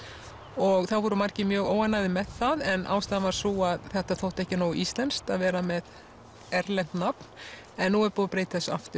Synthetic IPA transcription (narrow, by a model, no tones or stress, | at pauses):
ɔɣθaðvɔɾʏmaɾ̥cɪmjœːɣoːwanːaɣðɪmɛðθaðɛnʔa̰wst̪aːðavaɾ̥suaðθɛht̪aθoht̪ɛhcɪnoːwʔist̪lɛnst̪aðvɛːɾamɛð | ɛɾlɛn̥t̪napn̥ | ɛnːuɛɾpɔːðʏpɾeːjt̪θɛsːa̰ft̪ʏ